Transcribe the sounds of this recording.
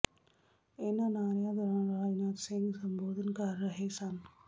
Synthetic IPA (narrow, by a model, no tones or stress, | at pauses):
enanaːɾjaːd̪ɐɾãːnɾaːjnaːt̪seŋɡsɐmboːd̪ɐnkaːɾɐɦeːsaːn